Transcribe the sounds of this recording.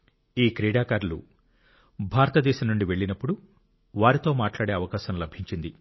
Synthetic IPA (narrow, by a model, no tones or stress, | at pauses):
iːkɾiːɽaːkaːɾlṵ | bʱaːɾɐt̪ɐd̪ɛːʃɐmnuɳɖiʋe̞ɭːinɐpːuɽu | ʋaːɾit̪o̞ːmaːʈlaːɽe̞ːɐʋɐkaːʃɐmlɐbʱiɲt͡ʃind̪i